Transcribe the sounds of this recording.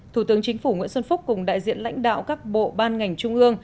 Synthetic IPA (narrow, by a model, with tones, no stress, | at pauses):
t̪ʰu˧˩t̪ɨ˨˦əŋt͡ɕï˨˦ŋ̟fu˧˩ŋḭ˧ənsə˧nfʊ˦˥k͡p̚kʊ˨˩ŋ͡mɗa̰ː˧˨jzḭ˧˨ənla̰˧˥ŋ̟ɗa̰ː˧˨wkaː˦˥k̚ɓo̰˧˨ɓaː˧nŋa˨˩jŋ̟t͡ɕʊ˧ŋ͡mʔɨ˧əŋ